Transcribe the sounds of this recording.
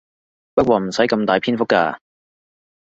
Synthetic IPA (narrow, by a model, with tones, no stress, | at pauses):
pɐ˥t̚kʷɔː˧˩m̩˨˩sɐ˨˥jkɐ˧mt̪aː˨jpʰiː˥nfʊ˥kːaː˧